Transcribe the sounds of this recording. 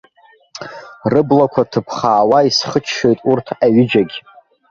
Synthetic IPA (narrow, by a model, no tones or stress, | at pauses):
rɨblakʷʰatʰɨpʰχaːwaisχət͡ʃʰːo̞jtʼurtʰaɥɪd͡ʒaɡʲ